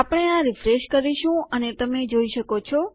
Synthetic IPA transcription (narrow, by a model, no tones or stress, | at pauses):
apɽ̃eãɾɪfɾeʃkəɾiʃũənet̪əmed͡ʒoiʃəkot͡ʃʰɔ